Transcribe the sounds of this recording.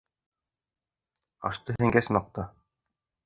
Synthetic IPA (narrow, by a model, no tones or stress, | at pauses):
ɑ̰ʃt̪ɤɦɘ̆ŋɡæsmɑq̚t̪ɑ